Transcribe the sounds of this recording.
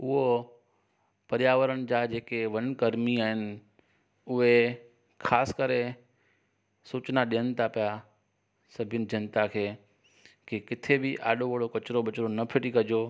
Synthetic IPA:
ʊɦo | pɐɾjaːʋəɾənɪ̆d͡ʑad͡ʑeːkeʋɐnkɐɾmiaːɦɪnɪ̆ | ʊɦe | kʰaːskəɾe | suːt͡ɕnaɗijənɪt̪ʰapija | sɐbʱɪənɪ̆d͡ʑɐnt̪akʰeː | kikɪt̪ʰebɪʔa̰ːɗoʋɐɭokɐt͡ɕɾoɓɐt͡ɕɾonɐpʰɪʈikɐd͡ʑo

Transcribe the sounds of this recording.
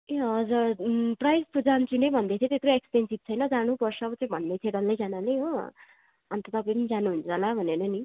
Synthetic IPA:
eʌd͡zʌprajspud͡zant͡sʰunejbʱʌnd̪et̪ʰit̪et̪roekspensib̚t͡sʰʌjnʌd͡zanupʌrsʰʌːbʌt͡saĩbʱʌnːet̪ʰeɽʌlːejd͡zananejɦo | ʌnt̪ʌt̪ʌpʌĩpʌnid͡zanuɦunt͡sʰʌlabʱʌnenʌni

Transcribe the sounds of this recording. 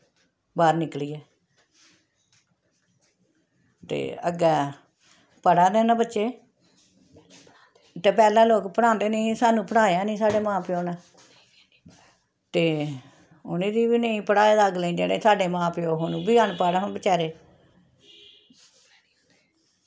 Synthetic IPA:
baːɾnɪkliːɛː | t̪ḛːə̰ɡɛː | pəɽaːd̪eːnãːbətːʃeː | t̪eːpɛːlãːloːkpəɽãːnd̪eːneĩsaːnũːpəɽaːeãːnĩːsaːɖeːmãːpɪjoːnɛ̃ː | t̪eː | ʊnẽːd̪iːbiːnəĩːpəɽaːeːd̪aːɡleĩːd͡ʒḛːɽḛːsaːɖeːmãːpɪjoːɦʊnũːbiːaːnpaːɽãːbət͡ʃɛːɾeː

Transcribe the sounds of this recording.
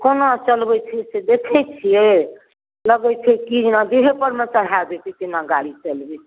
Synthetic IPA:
konot͡ʃəlbɛt͡ʃʰised̪ekʰɛt͡ʃʰije | ləɡɛt͡ʃʰikid͡ʒnad̪uɦepəɾmesəɽ̤ad̪et̪ʰikinaɡalit͡ʃəlbi

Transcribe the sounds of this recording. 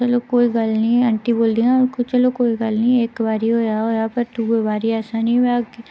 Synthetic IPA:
t͡ʃɐlokoːiɡɐlnĩɐ̃ɳʈiboːld̪iɦãkt͡ʃɐlokoːiɡɐlnĩeːkbaːɾiɦoːjãɦojãːpɐɾt̪ubebaːɾiaːsaːniʋak

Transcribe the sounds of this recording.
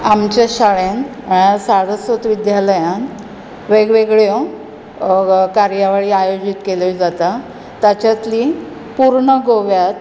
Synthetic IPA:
amt͡ɕaɕaɭenaɽjasaɽəsʋət̪ʋid̪jaləjãn | ʋeɡʋeɡɭjo | kaɾjaʋaɭiːajod͡ʑit̪keled͡zat̪a | t̪at͡ɕat̪li | puɾɳəɡoʋjat̪

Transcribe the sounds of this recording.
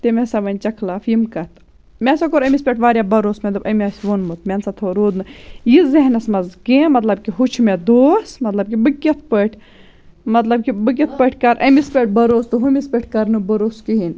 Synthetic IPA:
t̪emʲesɐʋɐnʲt͡ʃɐkʰlaːfjimkɐt̪ʰ | mʲesɐkoɾɐmʲispʲeʈʰʋaːɾʲjaːbɐɾoːsmʲed̪ubʔɐmʲɐːsʲʋonmɨt̪mʲensɐt̪ʰoɾoːd̪nɨjizɐɦnɐsmɐzɡeːmɐt̪lɐb̚kiɦut͡ʃʰmed̪oːsmɐt̪lɐb̚kibɨkʲːɐt̪̚ʰpəʈʰʲ | mɐt̪lɐb̚kibɨk̬ʲɐt̪̚ʰpəʈʰʲkɐɾʔɐmispʲeʈ̚bɐɾoːst̪ɨɦumʲispʲeʈʰkɐɾnɨbɐɾoːskiɦin

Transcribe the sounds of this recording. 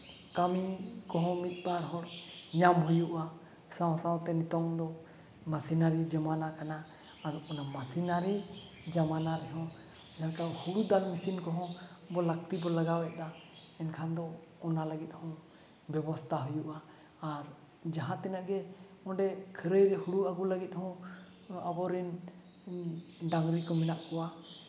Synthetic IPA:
kamikɔɦɔ̃mit̪̚ˀbaɾɦɔɽɲamɦujuʔa | sãw̃sãw̃t̪ɛnit̪ɔŋd̪ɔ | masinaɾid͡ʒamanakanaː | ɾɔnamasinaɾi | d͡ʒamanaɾɛɦɔ̃ | ɲankahuɽud̪almisinkɔɦɔ̃bɔlək̚t̪ibɔlaɡawɛʔ̪̚d̪aɛnkʰand̪ɔɔnaləɡit̪̚ˀhɔ̃ | bɛbɔst̪ʰaɦujuʔaː | ɾ | d͡ʒaɦãt̪ɛnaʔɡɛ | ɔ̃ɖɛkʰəɾəjɾɛhuɽuaɡuləɡit̪̚hɔ̃ | abɔɾin | ɖaŋɡɾikɔmɛnaʔkɔwa

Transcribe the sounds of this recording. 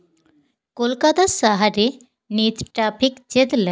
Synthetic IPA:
kolkat̪asaɦaɾe | nitʈɾapʰikd͡ʑed̪lə

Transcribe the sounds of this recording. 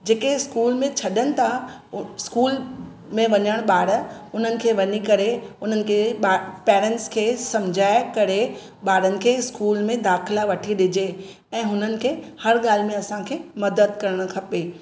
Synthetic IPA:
d͡ʑeːkeɪskuːlmẽt͡ɕʰɐɗənɪ̆t̪ʰa | skuːl | mẽʋɐɲəɽ̃ɓaːɽəʊn̤ənɪ̆kʰeːʋɐɲikɐɾeʊn̤ənɪ̆kʰeɓapɛːɾə̃ɳʈskʰeːsɐ̃md͡ʑʱaːɪkɐɾe | ɓaːɾənɪ̆kʰeːɪskuːlmẽd̪aːxɪlaʋɐʈʰiɗɪd͡ʑe | ɛ̃ːɦʊnənɪ̆kʰeːhɐɾɠaːl̤mẽɐsãkʰeːmɐd̪əd̪kɐɾəɽ̃̆kʰɐpeː

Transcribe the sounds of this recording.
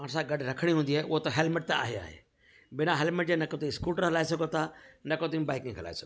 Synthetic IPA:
ãːɽ̃s̬ãɡɐɖɾɐkʰəɽ̃iɦũːnd̪iaːɦeʔʊɦot̪ɐɦelmɪʈ̚t̪ea̰ːɦea̰ːɦḛː | bɪnãɦeːlmeʈ̚d͡ʑẽnɐkõt̪ĩskuːʈəɾɦɐlaːesɐɡʱot̪ʰaːnɐkõt̪̬ĩŋbaːɪkɪ̃ŋɡɦɐla̰ːesɐɡo

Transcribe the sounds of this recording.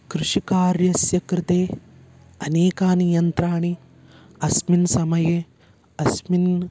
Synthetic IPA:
kɾuʃikaːɾjɐsjɐkɾɪt̪eː | ɐneːkaːnijɐnt̪ɾaːɳi | ɐsminsɐmɐje | ɐsmin

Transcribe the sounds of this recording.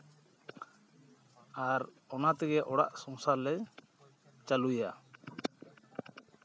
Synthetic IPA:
aɾ | ɔnat̪ɛɡɛʔɔɽa̰ʔsɔŋsalɛ | t͡ʃaluja

